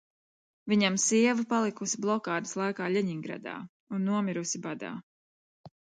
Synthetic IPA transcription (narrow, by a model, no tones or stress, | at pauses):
viɲamsiɛvupalˠikusiblˠɔkaːd̪ɨ̥slˠajkaːʎʲɛɲiŋɡɾa̰d̪a̰ː | unːuɔmiɾusibad̪a̰ː